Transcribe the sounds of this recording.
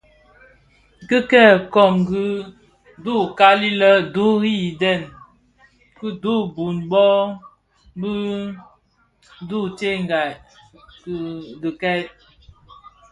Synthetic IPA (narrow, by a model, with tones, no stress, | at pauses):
kɨ˦kɛ˦˨kɔ˨mɡɨ˦ | du˦˨ka˦li˦lə˦du˦ɣi˦i˨dɛ˦˨n | kɨ˦du˦bu˨nbɔ˦ | bə˦ | du˦˨te˦˨ŋ˨ɡa˨ | kɡə˨kɛ˦j